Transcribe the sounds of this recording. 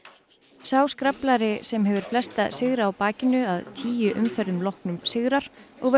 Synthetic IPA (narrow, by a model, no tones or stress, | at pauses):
saːwskɾaplaɾɪsɛmɦɛvʏɾ̥flɛst̪asɪɣɾaːwpaːcɪnʏaðt̪ʰiːjʏʔʏmfɛɾʏmlɔhknʏmsɪɣɾaɾ̥ɔɣv